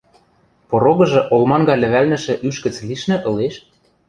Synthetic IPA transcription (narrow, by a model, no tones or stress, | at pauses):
poɾoɣɤ̆ʒɤ̆ʔolmɑnɡɑlɘ̆βælnɘ̆ʃɘ̆ʔyʃkɘ̆t͡sliʃnɘ̆ʔɤ̆leʃ